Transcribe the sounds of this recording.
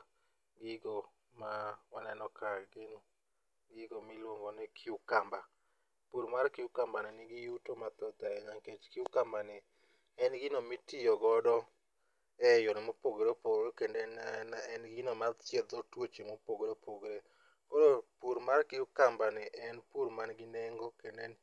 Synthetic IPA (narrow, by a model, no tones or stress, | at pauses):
ɡɪɡo | mawanɛnɔkaɡɪno | ɡɪɡomilwoŋɡonɪkʰɪukamba | puɾmarkɪukambanɪnɪɡɪjutomat̪ɔt̪aɲaŋket͡ʃkɪukambanɪ | ɛnɡɪnomitɪjɔɡɔdɔ | ɛjɔnɪmopoɡɾopoɡɾokendennaɛnɡɪnomadt͡ʃed̪ɔtwot͡ʃimopoɡɾopoɡɾe | koɾopuɾmarkɪukambanɪʔɛnpuɾmanɡɪnɛŋɡokenden